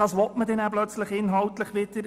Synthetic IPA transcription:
ɑsʋɔtmədɛnæblœt͡sləχɪnɦɑltləχʋɪdəɾ

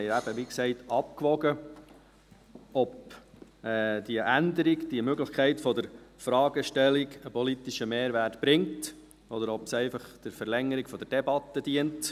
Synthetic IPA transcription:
ɛɪæb̥əʋiksɛɪtɑp̚kʋɔɡə | ɔp | ɛːd̥iəʔænd̪əɾiɡd̥iəmøɡləχkʰɛɪtfɔd̪əɾfɾɑːɡəʃtɛliɡəpʰɔlit̪iʃəmeːɾʋætb̥ɾɪŋt | ɔd̪əɾɔpsɛɪfɑχd̥əɾfəɾlɛŋːəɾikfɔd̥̪əɾd̥ɛbɑt̪ːəd̥̪iənt

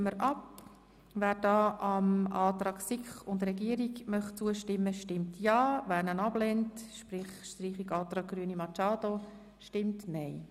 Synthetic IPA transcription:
məɾʔɑp | væːɾd̥ɑːʔɑmɑːt̪ɾɑːksikχʊndrɛɡiəɾiɡmœχt͡suəʃtɪmːəʃtɪmtjɑːvæːɾnənɑblɛntʃpɾɪχʃtriːχiɡɑːt̪ɾɑːɡ̚ɡ̥ɾyənimɑt͡ʃɑːdo | ʃtɪmtnɛɪ

